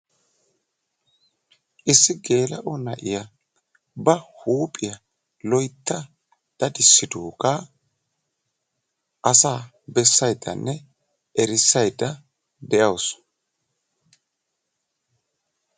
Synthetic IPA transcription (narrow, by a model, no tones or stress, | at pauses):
ʔɪsːɪɡe̞ːlɐʔɔnɐ̰ʔɪjɐ | bɐhuːpʼɪjɐ | lɔjt̪ːɐ | d̪̥ɐd̪ɪsːɪd̪uːkʼa | ʔɐsaː | bɛsːɐjd̪ːɐ̰nːɛ | ʔɛɾɪsːɐjd̪ːɐ | d̪ɛʔɐws